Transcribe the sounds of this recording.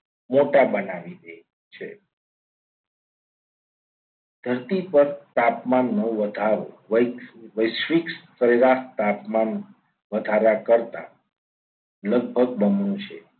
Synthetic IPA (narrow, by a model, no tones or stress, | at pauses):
moʈabənaʋid̪e | t͡ʃʰe | d̪ʱəɾt̪ipəɾt̪apmanːəʋəd̪ʱaɾo̰ʋəʋəjʃʋikssəɾeɾast̪apman | ʋəd̪ʱaɾakəɾt̪a̰ | ləɡ̚bʱəɡ̚bəmnũt͡ʃʰḛ